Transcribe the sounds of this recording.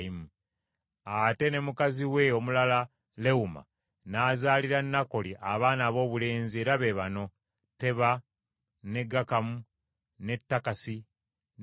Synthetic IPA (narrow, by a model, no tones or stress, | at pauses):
imu | ate̞ne̞mukaziwe̞o̞mulala | le̞uma̰ | naːzaːliɾanːako̞liʔaβaːnaːβo̞ːβule̞ːnzie̞ːɾaβeβano̞ | te̞βa | ne̞ɡːakamu | ne̞tːakasi